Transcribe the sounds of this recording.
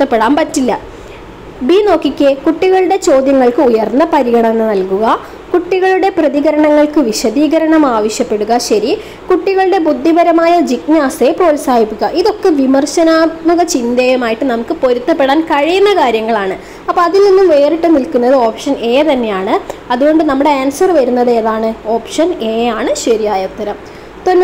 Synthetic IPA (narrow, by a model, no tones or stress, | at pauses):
t̪ːɐpːe̞ɽaːnpɐtːilːɐ | bino̞ːkːikʲːekuʈːiɣɐɭuɽe̞t͡ɕo̞ːd̪jɐŋːɐɭkɨujɐrnːɐpɐɾiɣɐɳɐmenːɨnɐlkuɣɐ | kuʈːiɣɐɭuɽe̞prɐðiɣɐɾɐɳɐŋːɐɭkɨʋiɕɐðiːɣɐɾɐɳɐmaːʋɐɕjɐpːe̞ɽuɣɐɕɐɾi | kuʈːiɣɐɭuɽe̞bud̪ʱːibɐɾɐmaːjɐd͡ʑiknaːse̞po̞ːlsaːɦipːikːɐʔiðo̞kːe̞ʋimɐrɕɐnaːmuɣɐt͡ɕind̪ɐjɐmaːjiʈːɨnɐmukːɨpo̞ɾut̪ːɐpːeɽaːnkɐɻijunːɐkaːɾjɐŋːɐɭaːɳɨ | ɐpːoːɐðilninːumʋeːriʈːɨnilkunːɐðɨo̞ːpʂɐne̞ːt̪ɐnːe̞jaːɳɨɐðuɣo̞ɳɖɨnɐmːuɽe̞aːnsɐrʋɐɾunːɐðeðaːɳɨo̞ːpʂɐne̞ːjaːɳɨɕɐɾijaːjɐt̪ːɐɾɐm | t̪onː